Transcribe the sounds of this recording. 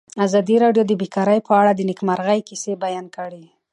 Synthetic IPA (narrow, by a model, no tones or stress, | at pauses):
azɑd̪iɾɑɖjod̪əbekɑɾəjpəaɽad̪ənɪkmaɾɣajkisebajɑnkəɽi